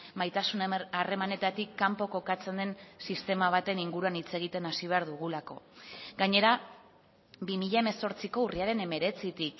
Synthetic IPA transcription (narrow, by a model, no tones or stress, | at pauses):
majt̪asunare̞mane̞t̪at̪ikːampo̞ko̞kat͡se̞nd̪e̞nsist̪e̞maβ̞at̪e̞niŋɡuɾuanit͡se̞ɣ̞it̪e̞nasiβ̞e̞aɾðuɣ̞ulako̞̰ɡaɲe̞ɾa | bimiʎaeme̞so̞ɾt͡siko̞uriaɾe̞ne̞me̞ɾe̞t͡sit̪ik